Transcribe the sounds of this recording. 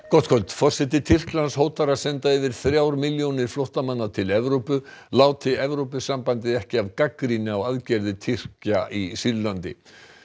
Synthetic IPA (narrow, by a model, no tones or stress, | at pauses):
kɔt̪kʰɔlt̪fɔr̥sɛt̪ɪt̪ʰɪr̥klanshoːwt̪aɾasɛnt̪aɪvɪɾ̥θɾjaːwɾmɪljownɪɾ̥flowht̪amanːat̪ʰɪlɛvɾowpʏlaːwt̪ʰɪɛvɾowpʏsːampant̪ɪðɛhcɪavkakɾinɪawaðcɛɾðɪt̪ʰɪr̥caʔisiɾlant̪ɪ̰